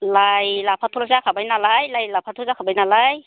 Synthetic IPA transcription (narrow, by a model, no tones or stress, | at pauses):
lajlapʰatʰulazakʰabajnalajlajlapʰatʰulzakʰabajnalaj